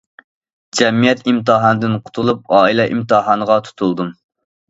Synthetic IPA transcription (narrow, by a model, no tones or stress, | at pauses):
d͡ʒɛmijɛt̪imt̪ɨɦɑnɨd̪ɪnqʰʊ̥t̪ʰulˠup̚ɑːilɛʔimt̪ɨɦɑnəʁɑt̪ʰu̥t̪ʰulˠd̪um